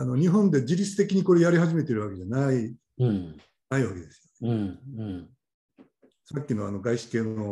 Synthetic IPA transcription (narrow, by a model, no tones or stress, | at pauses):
ano̞ɲ̟iɦõ̞nd̪e̞d͡ʑiɾʲit͡sɨ̥t̪e̞kʲiɲ̟iko̞ɾe̞jaɾʲihaʑime̞t̪e̞iɾɯβake̞ʑanai | naiβake̞d̪e̞sɨjoneɯɯ̃ɴ | sakʲːino̞ano̞ɡaiɕi̥ke̞ːno̞